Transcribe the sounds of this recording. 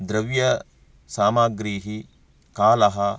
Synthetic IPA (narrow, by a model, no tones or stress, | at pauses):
d̪ɾɐʋjɐ | saːmaːɡɾiːɦi | kaːlɐɦɐ